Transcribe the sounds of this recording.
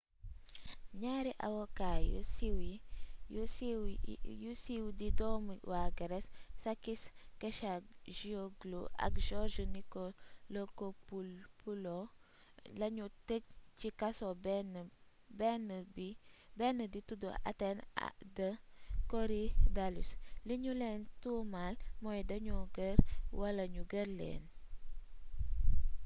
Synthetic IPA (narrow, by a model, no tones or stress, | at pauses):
ɲaɾiʔa̰wokajṵsiwijus | jusiwdidɔmwaɡəɾɛssakiskeʃaʒioɡloʔa̰kʒɔʒunikolokopupulo | laɲutək̚t͡ʃikasobn | benbibenəditudo̰ʔa̰tendɐkoɾidalusliɲulentumalmojdɐɲuɡəɾwalɐɲuɡəɾlḛn